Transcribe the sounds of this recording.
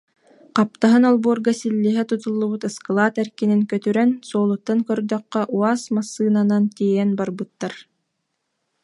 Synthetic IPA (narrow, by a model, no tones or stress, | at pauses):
qap̚t̪aɦɯnɔlˠbuɔɾɡasilːiɦɛt̪ut̪ulˠːubut̪ɯskalˠaːt̪ɛɾkiniŋkœt̪yɾɛnsuɔːlˠut̪ːankœɾd̪œqːœʔuaːsmasːɯːnanant̪iːjɛnbaɾbɯt̪ːaɾ